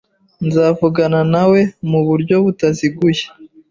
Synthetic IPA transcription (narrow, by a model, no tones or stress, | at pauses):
nzaːvuɡananawe̞muβuɾɟo̞βutaziɡuje